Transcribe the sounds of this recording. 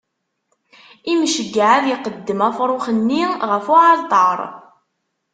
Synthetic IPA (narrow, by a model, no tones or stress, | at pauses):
imʃəɡːaʕaðjiqəd̪ːəmæfɾˤoχənːiʁəfʊʕɑlt̪ˤɑɾˤ